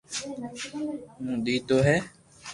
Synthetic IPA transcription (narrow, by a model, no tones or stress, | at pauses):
mũːɗ̪iːt̪oːɦɛː